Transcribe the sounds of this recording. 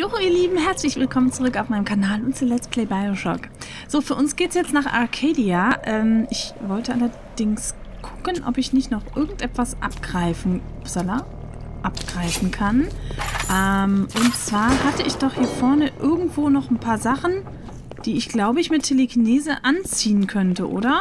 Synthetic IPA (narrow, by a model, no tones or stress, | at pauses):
jʊχiːɐliːbm̩ɦɛɐt͡slɪçv̥ɪlkʰɔmənt͡suʁʏkaʊfmaɪnəmkʰanaːlʊntt͡sulɛt͡stpʰlɛɪbaɪoʃɔ̰k | z̥oːfyːɐʊnsɡ̥eːtsjɛt͡stnaːχa̰ʁkʰeːdiaʔɛːmɪçvɔltəʔalɐ | d̥ɪŋskʰʊ̥kənʔɔ̰pɪçnɪçtnɔχʔɪɐɡŋ̩tʔɛtv̥asʔa̰pɡ̥ʁaɪfn̩ | z̥ala | ʔapɡ̥ʁaɪfn̩kʰanʔɛmʔʊntt͡sv̥aːɐhatəɪçd̥ɔχhiːɐfɔɐnəʔɪɐɡŋ̩tv̥oːnɔχn̩pʰaːɐzaχn̩ | d̥iːɪçɡ̥laʊbəɪçmɪtʰːeləɡineːzəʔant͡siːənkʰœntəʔo̰ːɾɐ